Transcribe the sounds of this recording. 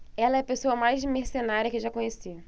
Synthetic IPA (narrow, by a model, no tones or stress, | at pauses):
ɛlɐɛpesoɐmajzd͡ʒɪmeɾsenaɾʲjɐkɪʒakõɲesi